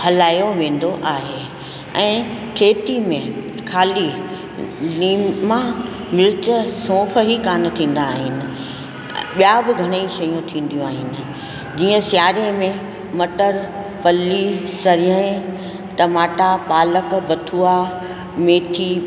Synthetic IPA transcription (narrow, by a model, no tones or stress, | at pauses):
hɐlaːjoʋẽːnd̪oʔaːɦe | ɛ̰̃ːʈʰeːt̪imẽ | kʰaːli | liːmã | mɪɾɪt͡ɕəsõːpʰəɦikaːnʊ̆t̪ʰĩːn̆d̪aːɦɪnɪ̆ | ɓijabɪɡʱɐɽ̃əiʃɐjũt̪ʰĩːn̆d̪ijũaːɦɪnɪ̆ | d͡ʑiːə̃sjaːɾemẽ | mɐʈəɾ | pɐlːisɐɾəẽ | t̪ɐmaːʈapaːləkbɐt̪ʰuːa | meːt̪ʰiː